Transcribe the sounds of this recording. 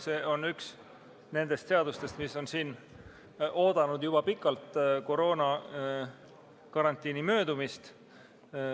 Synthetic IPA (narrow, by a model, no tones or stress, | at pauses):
se̞ːo̞nyks | ne̞nd̪̥e̞st̪se̞ɑd̪ust̪e̞st̪miso̞nsiːn | ʔo̞ːd̪̥ɑnud̪̥jub̥ɑpikːˑɑlt̪ko̞ɾo̞ːnɑ | kɑɾɑnt̪ːˑiːnimø̞ːd̪umist̪